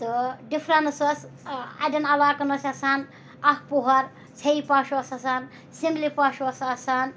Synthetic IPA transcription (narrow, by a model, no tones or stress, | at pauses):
t̪ɨɖifʰɾanɐsɐsɐ̰dɐnɐlaːkɐnɐsʰɐsaːn | ɐhpuɦɐɾ | t͡sʰɐipaːʃuɐsɐsaːn | simlipaːʃuɐsɐsaːn